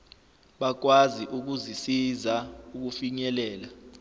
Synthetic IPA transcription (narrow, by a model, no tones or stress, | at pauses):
ɓak̬waziʔuk̬uzisizauk̬ufiɲɛlɛːla